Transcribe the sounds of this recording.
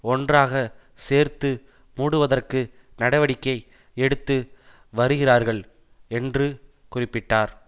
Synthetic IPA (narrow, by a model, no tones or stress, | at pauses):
ɔndraːɣɐ | seːɾt̪ɯ | muːɽɯʋɐðɐrkɯ | nɐɽɐʋɐɽɪkːɐɪ | ɛɽɯt̪ːɯ | ʋɐɾɯɣɪraːɾɣɐɭ | ɛndrɯ | kʊrɪpːɪʈːaːɾ